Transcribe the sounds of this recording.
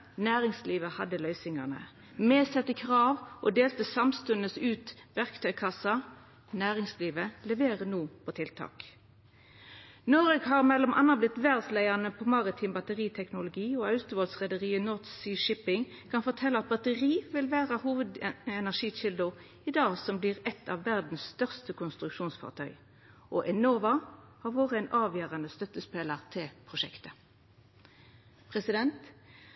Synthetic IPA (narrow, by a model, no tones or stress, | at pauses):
næːʁɪŋsliːʋəhɑd̪əlœʏsɪŋɑnə̰ | mɛːsɛt̪ːəkʰʁɑːʋʔɔd̪eːlt̪əsɑmst̪ʉnəsʉːt̪ʋæʁkt̪ʰœʏkʰɑsɑ | næːʁɪŋsliːʋəlɛʋeːʁənuːpʰɔt̪ʰɪlt̪ʰɑ̰ːk | nɔɾɛɡɦɑʁmɛlːɔmʔɑ̰nːɑblɪt̪ʋæʁdslæɪɑnəpʰɔmɑʁɪt̪ʰɪːmbɑt̪əʁiːt̪ʰɛknʊlʊɡiːoːɑʉt̪ʊʋɔlsʁɛd̪əʁiːənɔt̪siːʃɪpɪŋ | kʰɑnfɔt̪ʰɛlːəɑt̪̚bɑt̪əʁiːʋɪlʋæːʁəhuːʋəd̪ɛnæʁʂiːt͡ʃɪld̪ʊ | ɪd̪ɑːsɔmbliːʁɛt̪ʰːɑʋːæʁd̪n̩sst̪œʁst̪əkʰʊnst̪ʁʉkʃuːnsfɑ̰ʁt̪ʰœ̰ʏ | ʔɔʔɛnoːʋɑhɑːʁʋoːʁəɛːnʔɑːʋjøːʁɑnəst̪œt̪ːəspeːləʁt̪ʰɪlpʰʁʊʃɛkt̪ə | pʰʁɛsɪd̪ɛnt̪